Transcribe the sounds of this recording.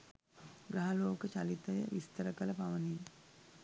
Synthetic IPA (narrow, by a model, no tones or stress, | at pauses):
ɡɾɐɦɐloːkɐt͡ʃɐlit̪ɐjɐ̰ʋist̪ɐɾɐkɐlɐpɐʋɐni